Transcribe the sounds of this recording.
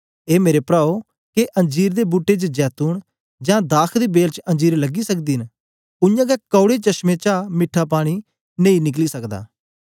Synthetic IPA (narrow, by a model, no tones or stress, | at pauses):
eːmeːɾepɾaːo | keʔə̃ɲd͡ʒiːɾd̪ebuːʈet͡ʃd͡ʒɛːt̪uːɳ | d͡ʒãːd̪aːkʰd̪iːbeːlt͡ʃə̃nd͡ʒiːɾləɡisəkd̪iːn | ʊjãːɡɛkɔʊɽet͡ʃəʃmẽːt͡ʃaːmɪʈʰːaːpaːɽ̃i | nẽːĩnɪk̬liːsəkd̪a̰ː